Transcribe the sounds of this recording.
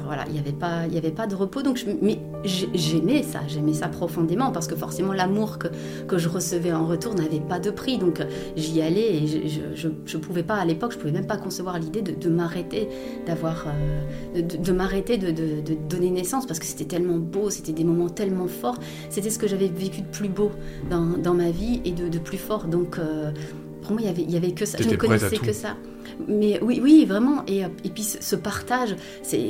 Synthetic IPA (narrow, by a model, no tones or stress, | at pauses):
ʁvwa̰la̰ḭljavɛpailjavɛpad̪əʁəpod̪ɔ̃kʒəmɛ | ʒɛʒɛmɛsa̰ʒɛmɛsapχɔfɔ̃d̪emɑ̃paʁsə̥kəfɔʁsemɑ̃lamuʁkə | kəʒəʁəsəvɛɑ̃ʁət̪uʁnavɛpad̪əpχid̪ɔ̃k | ʒialɛeʒʒə̰ʒəʒəpuvɛpaːlepɔkʒəpuvɛmɛmpakɔ̃səvwaʁlid̪ed̪əd̪əmaʁet̪e | d̪̥avwaʁø | d̪əd̪əd̪əmaʁet̪ed̪əd̪əd̪əd̪ɔnenɛsɑ̃spaʁsə̥kə̥se̥t̪ɛt̪ɛlmɑ̃bose̥t̪ɛd̪emɔmɑ̃t̪ɛlmɑ̃fɔʁ | set̪ɛsə̥kəʒavɛvekʲyd̪əplybod̪ɑ̃d̪ɑ̃mavied̪əd̪əplyfɔʁd̪ɔ̃kø | puʁmwailjavɛiljavɛkəsa̰ʒənəkɔnɛsɛkəsa | mɛwiwivʁɛmɑ̃ʔeøepɥisəsəpaʁt̪aʒ | sɛ̰